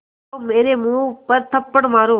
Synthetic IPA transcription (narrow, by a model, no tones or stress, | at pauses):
oːmeːɾeːmũːpəɾt̪ʰəpːəɳmaːɾoː